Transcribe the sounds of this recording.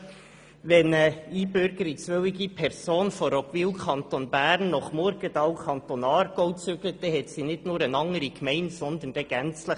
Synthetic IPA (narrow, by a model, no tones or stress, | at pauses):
ʋɛnəiːbøɾɡ̥əɾit͡sʋœwɪɡipʰɛɾsoːnfɔɾɔkviːwkʰɑnt̪onbæːɾnːɔχmɔɾɡ̥ətɑwkʰɑnt̪onɑːɾɡ̥oʊt͡sʏɡ̥lət̚ːɛɦɛtsinɪdnʊːɾənɑŋəɾikmɛɪntsɔnd̪ənd̥ɛɡ̥ɛnt͡slə